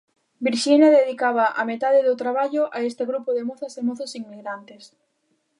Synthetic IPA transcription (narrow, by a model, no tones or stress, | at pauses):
biɾʃinaðeðikaβaʔamet̪aðeðot̪ɾaβ̞aʎʊʔaest̪eɣɾupoðemoθasemoθosiŋmiɣɾant̪es